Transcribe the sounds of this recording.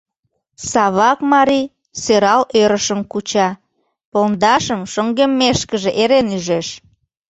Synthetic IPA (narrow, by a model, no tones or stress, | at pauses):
sɑβɑkmɑɾi | søɾɑløɾəʃəmkut͡ɕɑ | polnd̪ɑʃəmʃoŋɡemːeʃkəʒeʔeɾenyʒeʃ